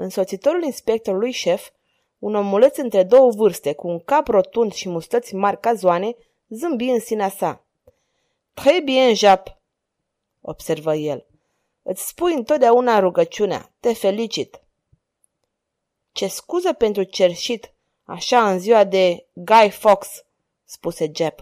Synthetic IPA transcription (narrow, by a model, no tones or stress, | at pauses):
ɨnso̞t̪sit̪o̞ɾulinspe̞k̚t̪o̞ɾulujʃe̞f | uno̞mule̞t̪sɨnt̪ɾe̞d̪o̞wəvɨrst̪e̞kuːŋkapro̞t̪und̪ʃimust̪ət̪sʲmarʲkazuane̞ | zɨmbiɨnsineasa | t̪ɾebujeɨnʒap | o̞̰b̥se̞rvəje̞l | ɨt̪sʲspujɨnt̪ot̪d̪eaunaɾuɡət͡ʃunea̰t̪e̞fe̞lit͡ʃit̪ | t͡ʃe̞skuzəpe̞nt̪ɾut͡ʃe̞rʃit̪ | a̰ʃaɨnziwad̪e̞ɡajfoksː | puse̞d͡ʒep